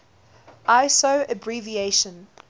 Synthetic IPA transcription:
ʔaɪsoʊəbɹivieɪʃə̃n

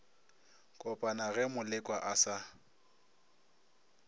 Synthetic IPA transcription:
kʼɔpʼanaɣɛmʊlɪkʼwaʔasa

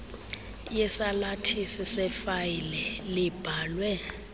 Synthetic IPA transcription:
jɛsalatʰisɛsɛfajilɛlɪb̥ʱaːlwɛ

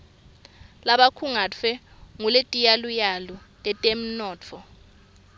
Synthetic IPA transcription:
laɓakʰuŋat͡fʰɛ | ŋuletʼijalujalɔ | lʼɛtʼem̩nɔːt͡fʰɔ

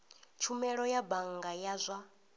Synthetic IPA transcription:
t͡ʃʰumɛɺɔjabaŋɡajazʷa

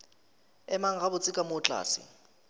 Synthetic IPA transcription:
ɛmaŋabʊt͡sʼɪkʼamʊt͡ɬʼa̰ːsḭ

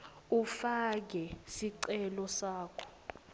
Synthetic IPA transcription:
ufak̬ɛsiǀɛlɔsaːkʰɔ̥

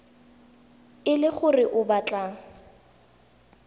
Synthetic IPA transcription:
ɪlɪχʊrɪʔʊbat͡ɬʼaːŋ̩

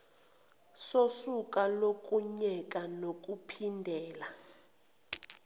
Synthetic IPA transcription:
sosukʼalok̬ʼuɲɛkʼanok̬ʼupʰindʱɛːla

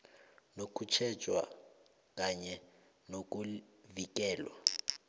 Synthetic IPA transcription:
nokʼut͡ʃʰɛt͡ʃʼwa̰ | kʼaɲɛ | nokʼuvik̬ʼɛːlwa̰

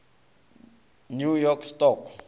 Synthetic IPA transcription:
njujɔkstɔk

